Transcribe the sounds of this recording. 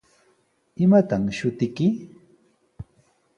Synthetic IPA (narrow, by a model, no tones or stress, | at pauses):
ɪmat̪amʃʊt̪ɪkɪ